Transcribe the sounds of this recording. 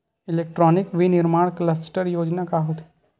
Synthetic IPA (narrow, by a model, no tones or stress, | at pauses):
ɪleːk̚ʈɾɔːnɪkʋinɪɾmaːɽ̃kləsʈəɾjoːd͡ʒnakaɦot̪ʰ